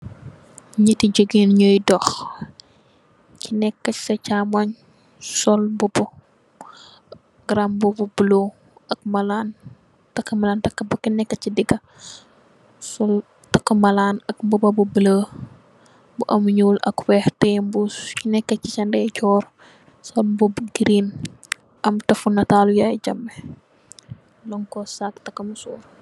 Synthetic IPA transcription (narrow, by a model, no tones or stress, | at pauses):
ɲətiɟəɡinɲəjdɔx | cinɛkːɐsɐcamɐɲ | sɔlbubɔ | ɡ̥ɾambububəlo | ɐk̚mɐlan | tɐkːəmɐlaːntɐkːɐbukinɛkːɐcidiɡɐ | sɔl | tɐkːɐmɐlaːnɐkmbubɐbubələ | buʔɐmɲuːlɐ̰kwɛːhtɛmbuinɛkːɐcit͡ʃɐndɛt͡ʃɔːɾ | sɔlbɔbuɡiɾiːn | ʔɐmtɐfunɐtaːlujajd͡ʒɐmːɛ | lɔŋkɔsaktɐkːɐmsɔːr